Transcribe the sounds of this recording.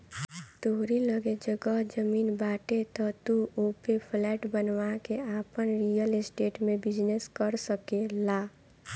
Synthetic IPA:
t̪oːɾiləɡed͡ʒəɡəɦd͡ʒəmiːnbaːʈet̪ɔt̪uopepʰlɛːʈbənwakeaːpənɾijəlɪsʈeːʈmẽbɪd͡ʒneskəɾsəkelaː

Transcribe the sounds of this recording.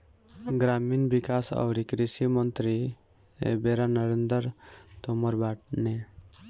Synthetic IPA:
ɡɾaminbikasɔ̰ʋɽikɾisimənt̪ɾi | ḛbeɾanəɾend̪əɾt̪ɔmɔɾbaʈne

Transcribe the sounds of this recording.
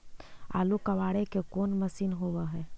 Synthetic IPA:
a̰ːlukɐʋaːɽekekoːnmɐsiːnɦoʋaɦɛː

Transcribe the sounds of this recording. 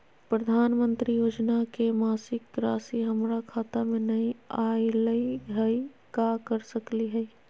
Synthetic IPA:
pɾəd̪ʱaːnmə̃nt̪ɾijoːd͡ʒnakemaːsɪkːɾaːsiɦəmɾakʰaːt̪amẽnəĩaːiləiɦəi | kakəɾsəkliɦɛi

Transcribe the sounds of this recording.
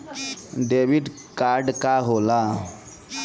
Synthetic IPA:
ɖeʋiʈ | kaɾɖkaɦola

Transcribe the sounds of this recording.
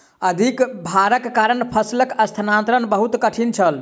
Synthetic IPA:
əd̪ʱikbʱaɾəkːaɾənpʰəsləkəst̪ʰənãnt̪ɾənbəɦut̪kəʈʰint͡ʃʰəl

